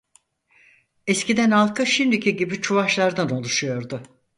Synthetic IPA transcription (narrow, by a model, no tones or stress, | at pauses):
ɛscid̪ɛnhalˠkʰɯʃimd̪icʰiɟibit͡ʃʰuvaʃlˠaɾd̪ano̞lˠuʃujo̞ɾd̪ʊ